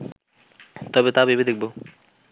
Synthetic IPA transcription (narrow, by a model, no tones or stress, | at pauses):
t̪ɔbet̪abibed̪ek̚bo